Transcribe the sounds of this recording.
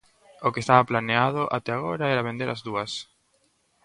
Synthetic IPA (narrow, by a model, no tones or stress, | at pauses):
okest̪aβɐplaneaðʊʔa̰t̪ɛaɣ̞oɾaɛɾaβẽnd̪eɾazðuɐs